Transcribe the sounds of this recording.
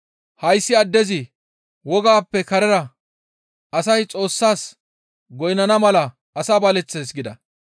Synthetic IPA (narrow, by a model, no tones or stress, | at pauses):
hɐjsːɪɐd̪ːɛzɪ | wɔɡaːpːɛkɐɾɛɾɐ | ɐsɐjt͡sʼo̞ːsːaːs | ɡɔjnɐnɐmɐlɐ | ɐsabɐlɛt͡sːeːsɡɪd̪ɐ̰